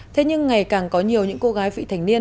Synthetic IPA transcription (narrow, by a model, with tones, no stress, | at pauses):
t̪ʰe˨˦ɲɨ˧ŋːa˨˩jkaː˨˩ŋkɔ˨˦ɲi˨˩əwɲɨ̰˧˥ŋko˧ɣaː˨˦jvḭ˧˨t̪ʰa˨˩ŋ̟ni˧ə